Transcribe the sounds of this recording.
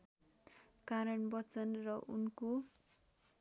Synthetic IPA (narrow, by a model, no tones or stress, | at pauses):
kaɾʌnbʌt͡sʌnrʌʔunko